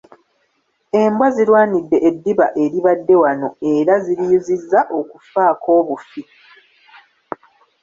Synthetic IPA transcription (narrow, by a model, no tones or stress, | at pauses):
e̞mbwazilwaːnidːe̞ʔedːiβaʔe̞ɾiβadːe̞wano̞e̞ɾaziɾiːzizːaʔo̞kufaːko̞ːβufi